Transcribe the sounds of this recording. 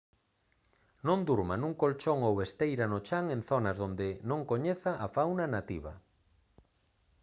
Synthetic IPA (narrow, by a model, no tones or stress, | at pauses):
nõnd̪uɾmanũŋkolt͡ʃoŋowβest̪ejɾanot͡ʃaŋẽn̟θonazðond̪enõŋkoɲeθaʔafawnanat̪iβa̰